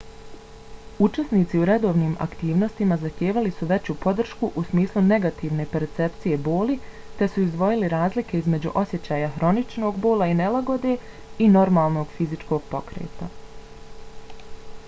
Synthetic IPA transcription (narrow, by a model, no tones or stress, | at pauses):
ut͡ʃesniːt̪siuɾe̞d̪o̞ːʋniːmʔa̰kt̪iːʋno̞st̪imazaxt̪jeːʋalisuʋe̞t͡ɕupo̞d̪r̩ʃkuʔusmiːslˠune̞ɡat̪iːʋne̞pe̞ɾt̪se̞pt̪sije̞bo̞ːli | t̪e̞suizd̪ʋo̞jiliɾaːzlike̞izme̞d͡ʑṵʔo̞sʲje̞t͡ɕaːjaxɾo̞nit͡ʃno̞ːɡbo̞ːlˠaine̞laɡo̞d̪e̞ | ino̞ɾmaːlˠno̞ːɡ̥fizit͡ʃko̞ːɡ̥̚po̞kɾḛːt̪a